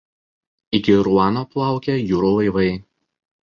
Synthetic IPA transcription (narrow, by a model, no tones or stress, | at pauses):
ɪkʲɪɾuɑːnoːplˠɑˑʊkʲejuːɾoːlˠɐɪʋɐɪ